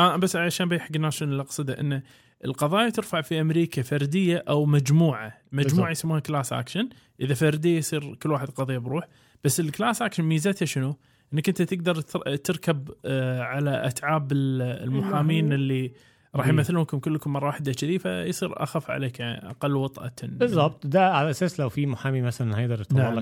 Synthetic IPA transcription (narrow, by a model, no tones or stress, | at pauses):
ʔabasːaʃaːnbijħaɡnaʃɪnɪlʔɑqsˤɨd̪aʔɪnːa | ʔəlqɑðˤɑːjat̪ɪɾfaʕfiʔamɾiːkafɑɾd̪ɪjːaʔawmad͡ʒmuːʕamad͡ʒmuːʕajɪsamːuːhaklasʔa̰ːkʃɪn | ʔɪðafɑɾd̪ɪjːajsˤiːɾkʊlːwaːħɪd̪qɑðˤijːabɾuːħ | b̥asːɪlklaːsʔaːkʃɪnmiːzat̪haʃɪnu | ʔɪnːakʔɪnt̪at̪ɪɡ̚d̪ɑɾˤt̪ɪɾkabʕalaʔa̰t̪ʕaːbɪllmʊħaːmiːnɪlːi | ɾˤɑːħjmaθːɪlʊnkʊmkʊlːkʊmːɑrˤɑwaːħɪd̪at͡ʃaðiːfa̰jsˤiːɾʔa̰xafːʕa̰leːkjaʕnḭʔa̰qɑlːwɑt̪ˤʔa̰bɪzˤːɑb̚t̪ˤd̪aʕalaʔasaːslawfimʊħaːmiːmaθalanhaːjd̪ɑɾˤɪt̪alːa